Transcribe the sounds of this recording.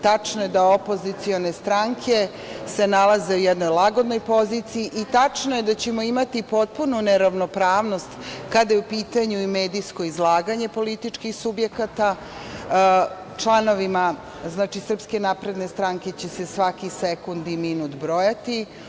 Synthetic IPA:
t̪at͡ʂno̞je̞d̪aopo̞zit̪sio̞ne̞st̪ɾaŋkʰe̞ | se̞nalˠaze̞ujɛd̪no̞jlaɡo̞d̪no̞jpo̞zit̪sijiʔit̪at͡ʂnoje̞d̪at͡ɕemo̞imat̪ipo̞t̪̚pununeɾaʋno̞pɾaːʋno̞st̪kad̪ajeupiːt̪aɲuime̞ːd̪ijsko̞izlˠaːɡaɲe̞po̞lit̪it͡ʂkixsubje̞kat̪a | t͡ʂlˠano̞ʋima | znaːt͡ʃisr̩pske̞naːpɾe̞d̪ne̞st̪ɾaŋke̞t͡ɕe̞se̞sʋakisekund̪iminut̪bɾo̞jat̪i

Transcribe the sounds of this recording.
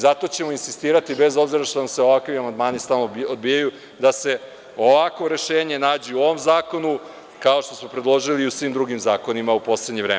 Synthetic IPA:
zat̪o̞t͡ɕe̞mo̞insist̪iːɾat̪ibe̞zo̞bziɾaʃt̪onamseo̞ʋakʋiamand̪maːnist̪aːlˠnood̪bijaju | d̪ase̞ | o̞ʋakʋo̞ɾe̞ʃe̞ːɲe̞naːd͡ʑeuoʋomzaːko̞nu | kao̞ʃt̪o̞smo̞pɾed̪lˠo̞ʒiliːusʋimd̪ɾuɡimzaːko̞nimaupo̞sleɲeʋɾḛː

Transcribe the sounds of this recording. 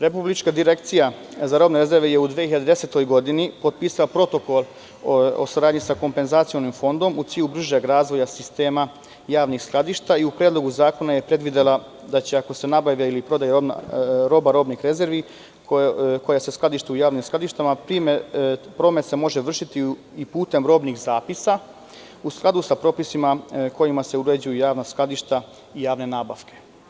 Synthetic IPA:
ɾepublit͡ʃkad̪iɾe̞kt̪sijazaɾo̞ːbneɾe̞zeɾʋeje̞ud̪ʋeiʎad̪ed̪e̞set̪o̞jɡo̞d̪inipot̪̚piːsalapɾo̞t̪o̞ko̞lˠ | osaɾaːd̪ɲisako̞mpe̞nzaːt̪sijo̞nimfo̞nd̪o̞mut̪siːʎubɾ̩ʒaɡɾaːzʋo̞jasist̪e̞ːma | jaːʋnixsklˠad̪iːʃt̪aiupɾjed̪lˠo̞ɡuzaːko̞najepɾe̞d̪ʋid̪elˠa | d̪at͡ɕeako̞se̞nabaʋjeilipɾo̞d̪ajeɾo̰ɾo̞ːbaɾo̞ːbnixɾe̞ze̞ɾʋi | kko̞jasesklˠad̪iʃt̪eujaːʋnimsklˠad̪iʃt̪amapɾimpɾo̞ːmet̪se̞mo̞ʒe̞ʋr̩ʃit̪i | ipuːt̪e̞mɾo̞ːbnixzaːpisa | usklˠad̪usapɾo̞ːpisimako̞jimase̞uɾed͡ʑujujaːʋnasklˠad̪iʃt̪a | ijaːʋne̞naːba̰ʋkʰe̞̥

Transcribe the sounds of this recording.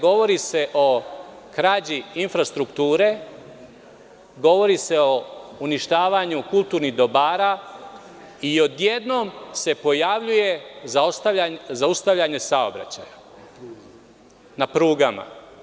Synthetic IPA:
ɡo̞ʋo̞ɾise̞ʔo̞ | kɾad͡ʑiinfɾast̪ɾukt̪uːɾe̞ | ɡo̞ʋo̞ɾise̞o̞uniʃt̪aːʋaɲukulˠt̪uːɾniɦd̪o̞baːɾa | io̞d̪je̞d̪no̞mse̞po̞jaʋʎuje̞zast̪aazaust̪aʋʎaɲe̞sao̰bɾa̰t͡ɕaːja | napɾuːɡama̰

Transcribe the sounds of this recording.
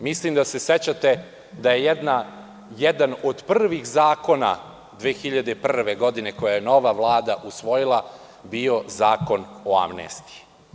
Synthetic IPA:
mislimd̪ase̞set͡ɕat̪e̞ | d̪ajejd̪na | jed̪anod̪prrʋixzaːko̞na̰ | d̪ʋeːxiʎad̪e̞prrʋe̞ɡo̞d̪ine̞ko̞jajeno̞ʋaʋlˠaːd̪aʔusʋo̞jilˠa | bio̞zaːko̞no̞a̰mnḛst̪i̥

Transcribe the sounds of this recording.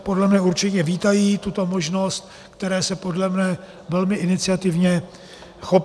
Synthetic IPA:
po̞dlɛmɲɛuɾt͡ʃɪcɛviːt̪ajiːt̪ut̪o̞moʒno̞st̪̚ | kt̪ɛɾɛːsɛpo̞dlɛmnɛ | vɛlmɪʔɪnɪt͡sɪat̪ɪvɲɛ | xo̞p

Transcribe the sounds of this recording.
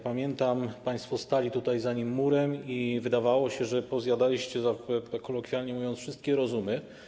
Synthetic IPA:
pamʲjɛnt̪ampaj̃st̪fɔst̪alʲit̪ut̪ajzaɲimːuɾɛmivɘd̪avawɔɕɛʐɛpɔzʲjad̪alʲiɕt͡ɕɛzakɔlɔkfʲjalɲɛmuvjɔnt̪sfʂɘst̪̚kʲɛɾɔzumɘ

